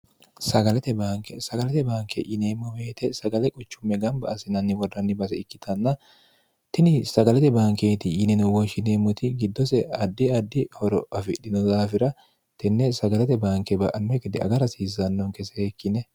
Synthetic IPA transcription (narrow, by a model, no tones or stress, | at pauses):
sɐɡɐlɛt̪ɛbaːŋkɛsɐɡɐlɛt̪ɛbaːŋkɛ̰ʔɪneːmːɔmeːt̪ɛsɐɡɐlɛkʼʊt͡ʃːʊmːɛɡɐmbɐ̰ːsɪnɐnːɪwɔrːɐnːɪbɐsɛɪkːɪt̪ʰɐnːɐ | t̪ɪnɪsɐɡɐlɛt̪ɛbaːŋkeːt̪ɪɪnɛnɔwɔʃɪneːmːɔt̪ɪɡɪd̪ːɔsɛɐd̪ːɪɐd̪ːɪhɔɾɔʔɐfɪɗɪnɔzaːfɪɾɐ | t̪ɛnːɛsɐɡɐlɛt̪ɛbaːŋkɛbɐʔɐnːɛkɛd̪ɪɐ̰ɡɐɾɐsiːzɐnːɔŋkɛsɛekːɪnɛ